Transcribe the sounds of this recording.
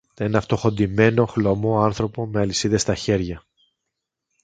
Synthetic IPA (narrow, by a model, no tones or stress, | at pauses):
t̪enɐft̪o̞xo̞nd̪ime̞no̞xlo̞mo̞ɐnθɾo̞po̞meɐlisiðe̞st̪ɐçe̞ɾʝɐ